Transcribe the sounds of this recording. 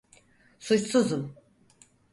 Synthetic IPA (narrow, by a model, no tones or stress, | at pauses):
sut͡ʃsuzum